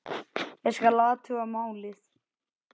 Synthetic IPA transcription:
ɛskalaːðat̪ʰuamaːwlɪs

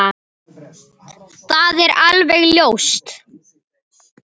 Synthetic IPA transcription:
θaðɛɾalvɛɣljoːwst̪

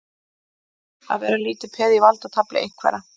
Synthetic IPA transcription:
a̰ðvɛːɾaliːt̪ɪpʰɛːðivalt̪at̪ʰaplɪ̰ʔḛjŋ̥kʰvɛ̰ɾa

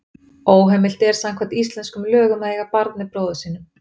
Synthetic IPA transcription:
oːwɦɛmːɪl̥t̪ɛɾ̥saŋkʰvant̪is̬t̪lɛnskʏmlœːɣʏmaðheːɣapaɾt̪nɪpɾoːwðʏsiːnʏm

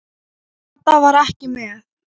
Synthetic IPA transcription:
ɛt̪ːavaɾɛhcɪmɛ

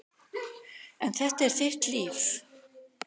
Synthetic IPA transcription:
ɛnθɛht̪aɛɾ̥θɪr̥t̪liːf

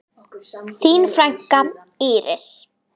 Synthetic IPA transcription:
θiːnfɾaŋ̥ka | iːɾɪ̰s

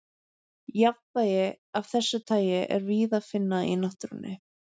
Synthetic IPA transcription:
javt̪ajɪ | av̥θɛsːʏt̪ʰaːjɪʔɛ̰ɾviːðaðfɪnːaḭnaht̪ɾʏnːɪ̰

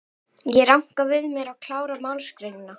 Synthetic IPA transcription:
jɛɾawŋ̥kavɪðmjɛɾawkʰlaːwɾamaːwlskɾejnɪna

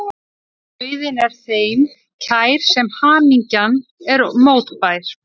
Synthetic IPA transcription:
vɪðɪnɛɾ̥θejm | cʰaːjɾ̥sɛmhaːmiɲcanɛɾmoːwt̪pajɾ̥

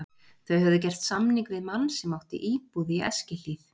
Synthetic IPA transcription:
θœɥhœvðʏcɛr̥t̪samniŋkvɪðmanːsɛmːawht̪ɪ̰ʔiːpuðiɛ̰scɪl̥iθ

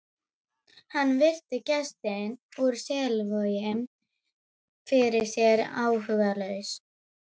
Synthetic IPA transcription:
hanːvɪr̥t̪ɪcɛst̪ɛnuɾ̥sɛlvœjɪm | fɪɾɪ̥sjɛɾaːwhʏɣðalœːɥs

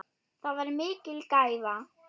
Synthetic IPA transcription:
θaðvaɾmɪːcɪlkaːjða

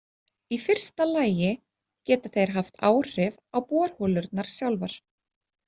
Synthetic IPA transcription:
ifɪr̥st̪alaːjɪ | cɛːt̪ḁθejɾ̥ɦaft̪ʰa̰ːwr̥ɪvawpɔːɾ̥hɔːlʏɾt̪naɾ̥sjawlvaɾ̥

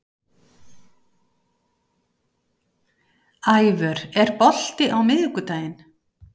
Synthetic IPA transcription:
ajvœɾɛɾpɔl̥t̪ɪʔawmɪðʏkʏt̪aːjɪn

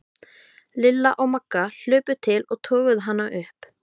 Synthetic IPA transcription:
lɪlːaʔɔɣmakːal̥ʏːpʏt̪ʰɪlɔɣt̪ʰɔːɣʏðɦanːaʔʏhp

